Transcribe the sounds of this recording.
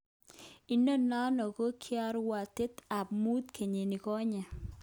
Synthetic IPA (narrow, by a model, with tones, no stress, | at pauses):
i˨no˦na˦nɔ˨ko˦kʰɪ˦a˦ɾwa˨t̪e˦t̪a˨pmu˦t̪kʰe˨ɲe˨nɪ˨kɔ˦ɲɛ˨